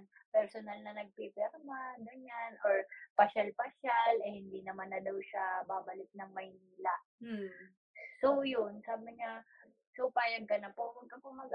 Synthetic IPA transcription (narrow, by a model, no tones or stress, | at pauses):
pɛɾsonɐlnɐnɐɡ̚pipɛɾmaɡ̪ɐnanʔoɹpɐʃalpɐʃalʔɛhɪnd̪iːnɐmanːɐd̪ɐwʃabaːbɐlɪt̪̚nɐŋmɐjniːlaʔ | sowjʊnsaːbɐɲa | sowpaːjɐɡ̪̚kɐnɐpowɐɡ̚kɐpomɐɡ